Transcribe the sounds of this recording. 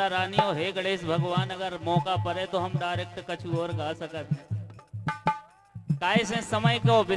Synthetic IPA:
aɾaːnioːɦeːɡɐɽeːsbʱɐɡʋaːnɐɡəɾmɔːkapɐɾẽt̪oɦɐmɖaːɾeːk̚ʈkɐt͡ʃʰuɔːɾɡaːsɐkət̪̚ʰ | kaːɪsẽːsɐməjkoʋɪ

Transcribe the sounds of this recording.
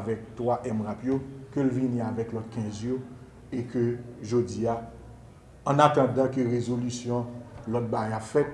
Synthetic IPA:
vɛk̚t̪waʔɛmʁapjokølvinĩavɛklɔt̪̚kɛ̃zjo | ekøʒod͡ziaː | nat̪ɑ̃d̪ɑ̃kəʁezolysjɔ̃lɔt̪̚bajapfɛt̪̚

